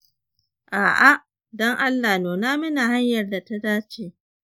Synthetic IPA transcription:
ʔaː˨ʔa˦ | dɔ˦ŋʔa˦lːaː˨noː˨naː˦mɪ˦naː˨ha˦ɲjɐ˨rda˨ta˦daː˦t͡ʃeː˦

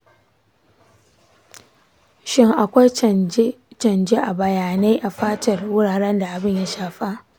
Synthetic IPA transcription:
ʃɪ˦ŋʔa˨kʷa˦j | t͡ʃɐ˨nd͡ʒe˦ʔa˨bɐ˨jaː˨na˦jʔa˨ɸaː˦tɐ˨rwʊ˦ɽaː˨ɾɐ˦nda˨ʔa˨bɪ˦ɲja˦ʃaː˨ɸa˦ʔ

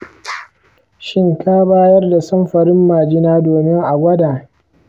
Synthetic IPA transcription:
ʃɪ˦ŋkʰaː˦baː˦jɐ˦rda˨sɐ˦mɸɐ˨ɾɪ˦mːaː˨d͡ʒɪ˦naː˦doː˨mɪ˦ŋʔa˨ɡʷɐ˦daː˨

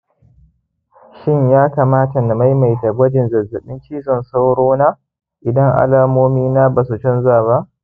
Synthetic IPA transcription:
ʃɪ˦˨ɲjaː˦kaː˨maː˦ta˨na˨ma˦jma˨jta˨ɡʷɐ˦d͡ʒɪ˨nzɐ˨zːɐ˨ɓɪ˦nt͡ʃiː˦zɔ˨nsa˦wɽoː˦naː˦ | ʔɪ˨dɐ˦ŋʔa̰˦laː˦moː˦miː˦naː˦baː˨su˨t͡ʃɔ˦nzaː˦˨βa˦ʔ

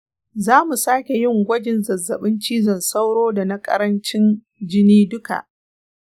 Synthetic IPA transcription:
zaː˦mu˨saː˦kʲe˨jɪ˦˨ŋɡʷɐ˦d͡ʒɪ˨nzɐ˨zːɐ˨ɓɪ˦nt͡ʃiː˦zɐ˨nsa˦wɽoː˦da˨nɐ˦kʼɐ̰˦ɾɐ˦nt͡ʃɪ˦n | d͡ʒɪ˦niː˦dʊ˦ka̰˨ʔ

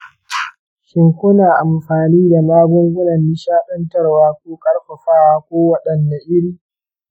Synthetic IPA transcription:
ʃɪ˨ŋkʷʊ˦naː˨ʔa˨mɸaː˨niː˦da˨naː˦bʊ˦ŋɡʷʊ˦nɐ˨nːi˦ʃaː˦ɗɐ˦ntɐ˦rwaː˦kʷoː˦kʼɐ˦ɽɸɐ˨ɸaː˦waː˦˨kʷoː˦wɐ˦ɗɐ˨nːa˨ʔɪ˦ɽiː˦

